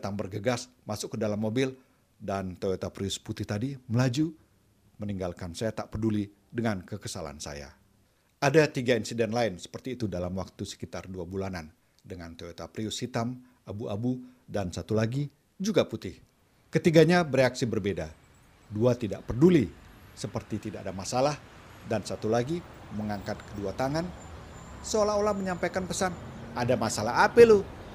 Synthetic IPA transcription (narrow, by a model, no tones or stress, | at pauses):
t̪aŋbərɡəɡasmasʊkːədalamːobɪl | dant̪oot̪apɾiʊsput̪ɪht̪adiməlad͡ʒu | məniŋɡalkansajat̪aʔpəduli | dəŋankəkəsala̰nsa̰ja̰ | adat̪iɡainsidɛnlaɪnsə̥pərt̪iːt̪udalamwak̚t̪usə̥kit̪arduabulanan | dəŋant̪ot̪apɾiʊshit̪am | abuabudansat̪ulaɡi | d͡ʒuɡaput̪ɪh | kət̪iɡaɲabəɾeaksibərbeda | duat̪ida̰ʔpərdulisəpərt̪it̪idaʔadamasalahdansat̪ulaɡiməŋaŋkat̪̚kəduat̪aŋan | səolaholahməɲampajkanpəsanadamasalaɦapɛlu